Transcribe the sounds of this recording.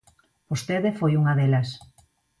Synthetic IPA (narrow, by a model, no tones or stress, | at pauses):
bost̪eðefojuŋɐðelɐs